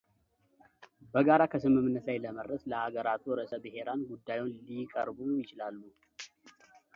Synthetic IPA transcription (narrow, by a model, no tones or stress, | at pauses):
bəɡaɾakʰəsɨmɨmnːət̪lajləməɾəsləaɡəɾat̪ʰuɾəsʼəbɨɦe̞ɾanɡud̪ːajwonlikʼəɾbujɪt͡ʃɪlalːu